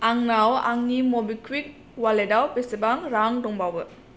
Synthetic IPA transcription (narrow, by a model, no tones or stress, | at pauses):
aŋnawa̰ŋnimɔbikʰwik̚ | waledawpesebaŋɾaŋdɔŋbawbɯ